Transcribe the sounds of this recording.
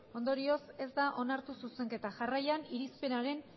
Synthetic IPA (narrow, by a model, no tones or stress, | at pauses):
o̞nd̪o̞ɾio̞se̞zd̪aʔo̞naɾt̪ususe̞ŋke̞t̪aʝarajaniɾispe̞naɾe̞n